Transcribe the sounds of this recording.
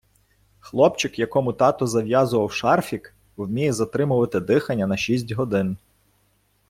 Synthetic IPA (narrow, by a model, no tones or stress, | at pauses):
xlˠɔpt͡ʃɪkjɐkɔmʊt̪ɑt̪ɔzɐʋjɑzʊʋɐwʃɑrfʲik | wmʲijɛzɐt̪ɾɪmʊʋɐt̪ɪd̪ɪxɐnʲːɐnɐʃʲisʲtʲɦɔd̪ɪn